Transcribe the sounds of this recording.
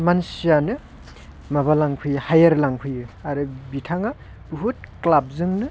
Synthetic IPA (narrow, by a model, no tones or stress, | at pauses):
mansijanɯ | maβalaŋkʰujhajɐɾlaŋkʰujɯaɾɯbitʰaŋa | buɦut̚klab̚zɯŋnɯ